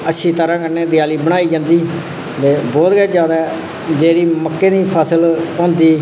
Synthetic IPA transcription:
ətːʃʰiːt̪əɾãːkəɾneːd̪ɪjaːliːbəɽ̃aːiːd͡ʒãːnd̪iː | d̪eːbɔːt̪ɡɛːd͡ʒjaːd̪aɛ | d͡ʒeːɾiːməkːeːd̪iːpʰəsəlõːnd̪iː

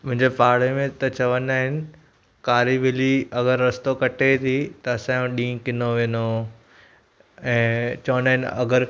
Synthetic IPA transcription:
mʊ̃ɦɪ̃ɲd͡ʑepaːɽ̤emẽt̪ɐt͡ɕɐʋənaːɦɪnɪ̆ | kaːɾiʋɪliɐɡəɾːɐst̪okɐʈet̪ʰit̪ɐɐsãːjũɗĩːkɪnoʋẽːno | ɛ̃ːt͡ɕɐʋənaːɦɪ̃nɐ̰ɡəɾ

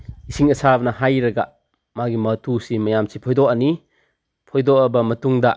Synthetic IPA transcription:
isiŋɐsabnɐhajɾɐɡa | maɡimɐtusimɐjamsipʰɔjd̪ɔʔani | pʰɔjd̪ɔʔɐbɐmɐtuŋd̪a

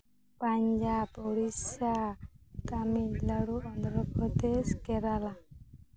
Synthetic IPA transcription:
paɲd͡ʒabɔɽisakamilaɽuɔnd̪ɾɔpɔd̪eskɛɾala

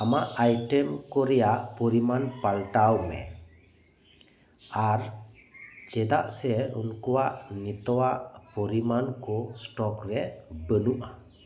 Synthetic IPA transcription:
amaʔajʈɛmkɔɾɛjaʔpɔɾimanpalʈawmɛ̰ | ar | d͡ʒɛd̪aʔsɛunkuaʔnit̪ɔaʔpɔɾimankɔsʈɔkrɛbənuʔa

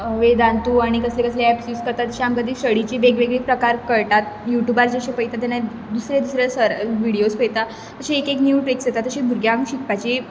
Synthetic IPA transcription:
ʋed̪ãnt̪uːaɽ̃ikəslekəsleɛpsuskəɾt̪at̪ːəɕiamkəd̪iːsəɽit͡ɕibeɡʋeɡɭepɾəkaɾkəɭʈat̪̚juʈjubald͡ʑəɕepəjt̪at̪̬ana | d̪usɾed̪usɾesəɾʋiɽiospəjt̪a | əɕĩekeknjuːʈɾiksjet̪at̪ːəɕĩbʱuɾɡjãɡɕikpat͡ɕi

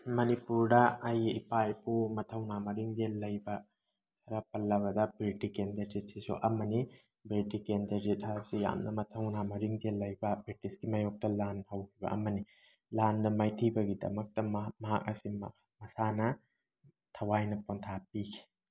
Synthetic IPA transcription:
mɐnipuɾdɐɐjipajpʰumɐtʰɐwnamɐɾiŋdelːɐjbɐ | tʰɐɾɐpɐlːɐβɐdɐbɾitikendɐɾd͡ʒit̚sisṵʔɐmɐni | bɾitikendɐɾzit̚hasija̰mnɐmɐtʰɐwnamɐɾiŋdelːɐjbɐbɾitisɡimɐjok̚tɐlanhɐwkʰibɐ̰ʔɐ̰mɐni | landɐmajtʰibɐɡidɐ̰mɐk̚tɐmɐɦak̚ɐsim | mɐsanɐ | tʰɐwajnɐpontʰap̚ikʰi̥

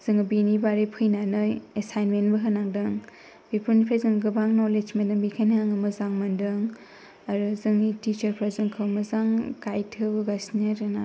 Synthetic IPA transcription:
z̥ɯŋbinibaɾipʰɯjnanɯjesajnmenbɯɦɯnaŋdɯŋ | b̥ipʰuɾnipʰɾazɯŋɡɯbaŋnoled͡ʒmendɯŋbikʰajnɦaŋɐmɐzaŋmɐndɯŋ | aɾuzɯŋnitit͡ʃɐɾpʰɾazɯŋkʰɯwmɐzaŋkajtʰɯbɯɡasnaɾɯna

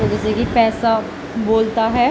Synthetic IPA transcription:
oɡɪsekipɛːsa | boːlt̪aɦɛː

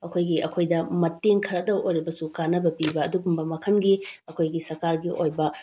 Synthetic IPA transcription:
ɐkʰojɡiʔɐkʰojdɐmɐteŋkʰɐɾɐdɐwʔojɾibɐsukanɐbɐpibɐːduɡumbɐmɐkʰɐnɡiɐkʰojɡisɐɾkaɾɡiʔojbɐ

